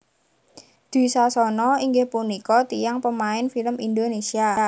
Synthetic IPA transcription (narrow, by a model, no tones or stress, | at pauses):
d̪̥i̤sasɔnɔiŋɡɪhpunikɔt̪ijaŋpəmaɪnfiləmind̪onesia